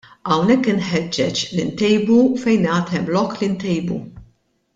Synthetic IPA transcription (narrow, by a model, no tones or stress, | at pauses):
ɐwnɛkːɪnħɛd͡ʒːɛt͡ʃlint̪ɛjbufɛjnɐːt̪ʰɛmlɔkːlint̪ɛjbṵ